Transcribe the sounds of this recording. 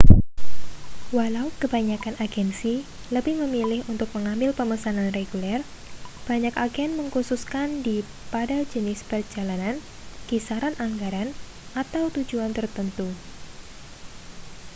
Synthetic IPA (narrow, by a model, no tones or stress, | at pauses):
walaukəbaɲakanaɡɛnsi | ləbɪhməmilɪhunt̪ʊk̚məŋambɪlpəməsananreɡulɛr | b̥aɲakaɡɛnməŋkususkandi | padad͡ʒənɪspərd͡ʒalanan | kisaɾanʔaŋɡaɾan | ʔat̪awt̪ud͡ʒuant̪ərt̪ənt̪u